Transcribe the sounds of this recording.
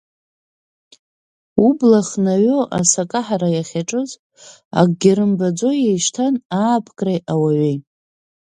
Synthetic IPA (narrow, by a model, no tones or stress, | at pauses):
ublaχnaɥoʔa̰sakʼaħaɾajaχʲaʈ͡ʂʼɨzʼ | a̰ɡɡʲaɾɨmbad͡zo̞jejʂtʰanaːpʰkʼrajʔawaɥej